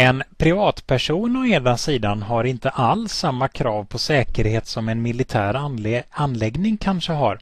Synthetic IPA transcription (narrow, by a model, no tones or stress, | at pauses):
ɛnpʰɾɪvɑːt̪pʰæʂuːnɔeːd̪asiːd̪anɦaɾɪnt̪əʔalsːamːakʰɾɑːvpʰɔsɛːkəɾheːt̪sɔmɛnmɪlɪt̪ʰæːɾanːlɛɡnɪŋkʰanʂəɦa̰ɾ